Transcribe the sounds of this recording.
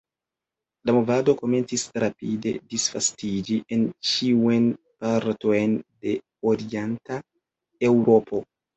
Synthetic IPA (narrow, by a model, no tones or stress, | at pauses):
lamo̞vado̞ko̞me̞nt͡sisɾapide̞̰disfastid͡ʒiʔent͡ʃiun | paɾto̞jnde̞ | oɾienta | e̞wɾo̞pʰo̞